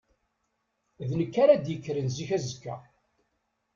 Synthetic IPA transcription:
ðnəkːaɾad̪jəkːɾənziçæzəkːæ̰

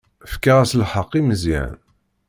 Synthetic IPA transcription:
fkːaʁæslħəqːiməzḭʕn

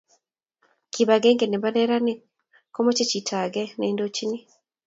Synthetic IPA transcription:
kiβaɡeːŋɡeneβaneɾani | komot͡ʃicitʰaɡeneːndot͡ʃini

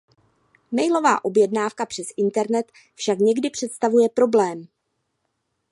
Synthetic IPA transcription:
mɛjlo̞va̰ːʔo̞bjɛdnaːfkapr̥ɛsʔɪnt̪ɛɾnɛt̪ | fʃakɲɛɡdɪpr̥ɛt̪st̪avujɛpɾo̞blɛːm

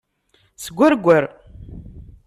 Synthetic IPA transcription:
səɡʷːæɾɡʷːəɾ

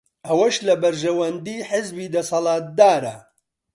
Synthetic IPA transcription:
ʔɐwɐʃlɐbɐɾʒɐwɐnd̪iːħɪzbiːd̪ɐsɐlˠɑːt̪̚d̪aːɾɐ̰

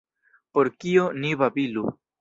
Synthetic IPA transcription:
po̞ɾkioniβabilu

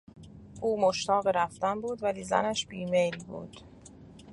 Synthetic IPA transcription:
ʔuːmoʃt̪ʰɒːɣeɾæft̪ænbuːd̪væliːzæ̰næʃb̥iːmelbṵːd̪̥

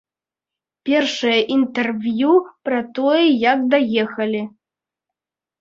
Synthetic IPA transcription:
pʲɛrʂɐjɐʔint̪ɛrvʲjupɾɐt̪ɔjɛjakd̪ajɛxɐlʲi

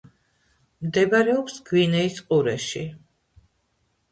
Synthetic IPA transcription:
md̪ɛbaɾɛɔpsɡwinɛisqʼuɾɛʃi

